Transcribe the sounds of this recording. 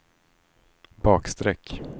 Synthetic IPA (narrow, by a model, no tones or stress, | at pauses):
bɑːkst̪ɾɛkː